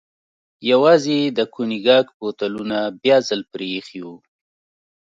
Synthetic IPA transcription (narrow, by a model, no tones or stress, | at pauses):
jawɑzed̪əkuniɡɑkpot̪alunabjɑzəlpɾeːxiwu